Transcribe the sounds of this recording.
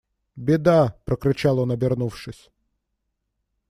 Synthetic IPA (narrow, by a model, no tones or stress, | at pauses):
bʲɪd̪apɾəkɾʲɪt͡ɕalˠonɐbʲɪrnufʂɨsʲ